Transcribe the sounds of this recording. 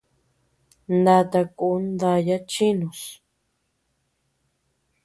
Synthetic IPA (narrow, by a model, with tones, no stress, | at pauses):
nd̪a˧t̪a˧ku˧˦nd̪a˧ja˦t͡ʃi˦nũ˨s